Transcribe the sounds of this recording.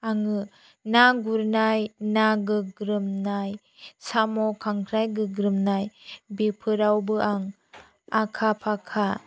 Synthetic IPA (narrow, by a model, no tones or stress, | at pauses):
aŋɯ | naɡuɾnajnaɡɯɡɾɯmnaj | samɔkʰaŋkʰɾajɡɯɡɾɯmnajbipʰɯɾawbɯʔaŋ | akʰapʰakʰa